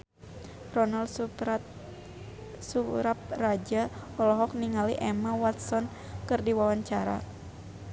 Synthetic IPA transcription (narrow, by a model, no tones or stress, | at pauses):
rɔnal | suɾap̚rad͡ʒaɔlɔɦɔk̚niŋaliʔɛmawat̪̚sɔn | kɨrdiwawaɲt͡ʃaɾa̰